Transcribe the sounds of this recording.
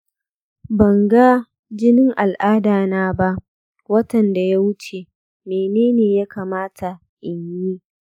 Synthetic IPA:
bɐ˨ŋɡa˦ | d͡ʒɪ˦nɪ˦ŋʔa˨lʔaː˦daː˨naː˦ba˦ʔ | wɐ˦tɐ˨nda˨ja˦wʊ˦t͡ʃe˨ | meː˨neː˦neː˨ja˦kaː˨maː˦tʰa˨ | ʔɪ˨ɲji˦

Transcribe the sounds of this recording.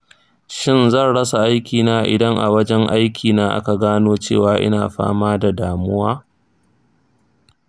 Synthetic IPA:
ʃɪ˦˨nzɐ˦˨nɽɐ˦sa˨ʔa˦jkʲiː˨naː˦ʔɪ̰˨dɐ˦ŋʔa̰˨wɐ˦d͡ʒɛ˦ŋʔa˦jkʲʰiː˨naː˦ʔa̰˦ka˨ɡaː˦noː˦t͡ʃḛː˦˨waː˨ʔɪ̰˦naː˨ɸa̰ː˦maː˦da˨daː˨mʊ˦waː˦

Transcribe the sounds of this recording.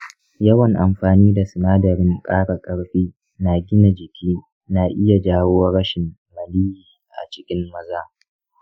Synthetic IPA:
jɐ˦wɐ˨ŋʔa˨mɸaː˨niː˦da˨sɪ˨naː˦dɐ˨ɾɪ˦ŋkʼaː˦ɽa˨kʼɐ˦ɽɸiː˦ | na˨ɡʲɪ˦na˨d͡ʒɪ˨kʲʰiː˦ | na˨ʔɪ˦ja˨d͡ʒaː˦woː˦wɐ˦ɽɐ˦ʃɪ˨mːɐ˨liː˦jiː˨ʔa̰˨t͡ʃɪ˦kʲɪ˦mːɐ˦zaː˦

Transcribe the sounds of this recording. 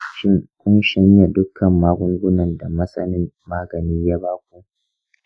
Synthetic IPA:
ʃɪ˦ŋkʷʊ˦nʃɐ˦ɲja˨dʊ˦kʰːɐ˨mːaː˦ɡʷʊ˦ŋɡʷʊ˦nɐ˨nda˨mɐ˦sɐ˦nɪ˦mːaː˦ɡɐ˨niː˦jaː˦baː˦k̚ʷu˨ʔ

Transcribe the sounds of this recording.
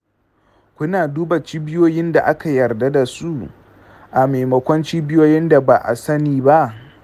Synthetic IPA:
kʷʊ˦naː˨duː˦ba˨t͡ʃiː˦bɪ˦joː˦jɪ˦nda˨ʔa˦ka˨jɐ˨rda˦da˨su˦ʔ | ʔa˨me˨jmɐ˨kʷɔ˦nt͡ʃiː˦bɪ˦joː˦jɪ˦nda˨ba˨ʔa̰˨sɐ˦niː˨ba˦ʔ

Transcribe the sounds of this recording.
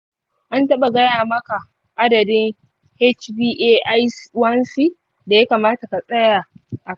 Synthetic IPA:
ʔa˦ntɐ˦ɓa˨ɡɐ˦jaː˨mɐ˦ka˨ | ʔa˦dɐ˨dɪ˦ŋ | he˦t͡ʃbiː˦ʔeː˦ʔa˦jswɐ˦nsi˦ | da˨ja˦kaː˨maː˦ta˨ka˨sʼɐ˦jaː˨ʔa˨

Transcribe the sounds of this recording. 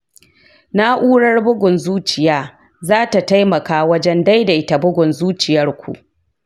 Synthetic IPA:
na˦ʔuː˦ɽɐ˦rbʊ˦ɡʷʊ˨nzuː˦t͡ʃɪ˨jaː˦ | zaː˦ta˨ta˦jmɐ˨kaː˦wɐ˦d͡ʒɛ˦nda˦jda˨ʔɪ˦ta˨bʊ˦ɡʷʊ˨nzuː˦t͡ʃɪ˨jɐ˦rkʷṵ˨ʔ

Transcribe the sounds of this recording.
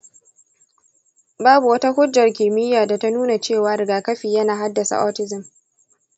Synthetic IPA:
baː˦bu˨wɐ˦ta˦hʊ˦d͡ʒːɐ˨rkʲɪ˨mɪ˦jaː˨da˨ta˦nuː˦na˨t͡ʃeː˦˨waː˦ɾɪ˨ɡaː˨kɐ˦ɸiː˨jɐ˦naː˨ɦa˦dːɐ˨sa̰˨ʔɔ˦tɪ˦zɪ˨m

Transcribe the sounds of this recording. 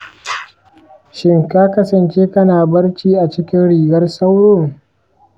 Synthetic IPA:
ʃɪ˦ŋkaː˦kɐ˦sɐ˨nt͡ʃeː˦kɐ˦naː˨bɐ˦ɽt͡ʃiː˦ʔa˨t͡ʃɪ˦kʲɪ˦nɽiː˨ɡɐ˦rsɐ˦wɽoː˦˨

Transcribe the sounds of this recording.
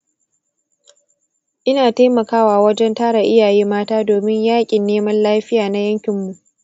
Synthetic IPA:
ʔɪ˦naː˨ta˦jmɐ˨kaː˦waː˨wɐ˦d͡ʒɛ˦ntaː˦ɾa˨ʔɪ˦jaː˨jeː˦maː˦taː˦doː˨mɪ˦ɲjaː˦kʲʼɪ˨nːeː˦mɐ˦nlaː˦ɸɪ˦jaː˨na˦jɐ˦ŋkʲɪ˨mːu˨ʔ

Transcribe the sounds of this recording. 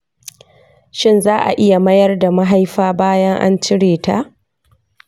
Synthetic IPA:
ʃɪ˦nzaː˦ʔa̰˨ʔɪ˦ja˨mɐ˦jɐ˦rda˨ma˦ɦa˦jɸaː˦baː˦jɐ˦ŋʔa̰˦nt͡ʃɪ˦ɽeː˨ta̰˦˨ʔ

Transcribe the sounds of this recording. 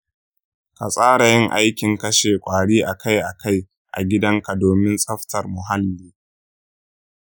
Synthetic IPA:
ka̰˨sʼaː˦ɽa˨jɪ˦ŋʔa˦jkʲɪ˨ŋkɐ˦ʃeː˨kʷʼaː˨ɽiː˦ʔa˨ka˦jʔa˨ka˦j | ʔa̰˨ɡʲɪ˦dɐ˦ŋka˨doː˨mɪ˦nsʼɐ˦ɸtɐ˨rmʊ˨ɦa˦lːiː˦

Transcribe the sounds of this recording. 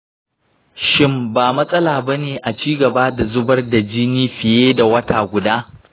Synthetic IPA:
ʃɪ˦mbaː˨mɐ˦sʼɐ˦laː˨bɐ˦neː˨ʔa˨t͡ʃiː˦ɡɐ˨baː˦da˨zʊ˦bɐ˦rda˨d͡ʒiː˦niː˦ɸɪ˨jeː˦da˨wɐ˦taː˨ɡʷʊ˨daː˦

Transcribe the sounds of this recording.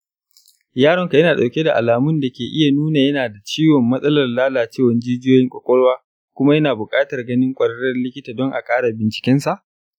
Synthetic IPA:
jaː˦ɽɔ˦ŋka˨jɐ˦naː˨ɗa˨wkʲe˦da˨ʔa˨laː˨mʊ˦nda˨kʲeː˨ʔɪ˦ja˨nuː˦na˨jɐ˦naː˨da˨t͡ʃiː˦wɔ˨mːɐ˦sʼɐ˦lɐ˨rlaː˦laː˨t͡ʃeː˦˨wɐ˨nd͡ʒiː˦d͡ʒɪ˦joː˦jɪ˦ŋkʷʼɔ˨kʷʼɔ˦ɽwaː˦ | kʷʊ˦ma˦jɐ˦naː˨bʊ˨kʼaː˦tɐ˨rɡɐ˦nɪ˦ŋkʷʼɐ˨ɽɐ˦ɽɐ˦rlɪ˦kʲɪ˦taː˨dɔ˦ŋʔa˨kʼaː˦ɽa˨bɪ˨nt͡ʃɪ̥˦kʲɛ˦nsa˨ʔ

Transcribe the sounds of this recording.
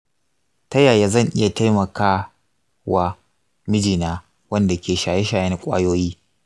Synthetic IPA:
tɐ˦jaː˨jaː˦zɐ˦˨ŋʔɪ˦ja˨ta˦jmɐ˨kaː˦ | wa˨ | mɪ˦d͡ʒiː˨naː˦ | wɐ˦nda˨kʲʰeː˨ʃaː˨je˦ʃaː˨jɛ˦n˨kʷʼa̰ː˦joː˦jiː˦

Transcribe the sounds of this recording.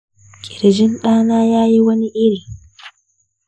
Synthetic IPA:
kʲʼɪ˨ɾd͡ʒɪ˦nɗaː˦naː˦jaː˦ji˦wɐ˦ni˦ʔɪ˦ɾi˨

